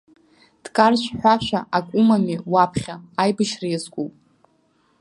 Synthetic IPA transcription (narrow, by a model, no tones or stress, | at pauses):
d̥kʼarʃʷħʷᶣaʃʷᶣaʔakʷʼumamiwapʰχʲaːjbɨʃrezkʷʼuwpʼ